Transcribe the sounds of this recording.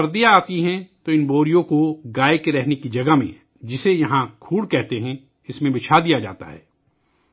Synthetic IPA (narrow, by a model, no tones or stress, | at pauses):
ɐɾd̪ijaaːt̪iɦɛ̃t̪oɪnboːɾijõkoɡaːekeɾɛɦnekid͡ʒɐɡamḛ̃ | d͡ʒɪsejɐɦãkʰuːɽkɛɦt̪eɦɛ̃ | ɪsmẽbɪt͡ʃʰad̪ijad͡ʒa̰ːt̪a̰ɦɛː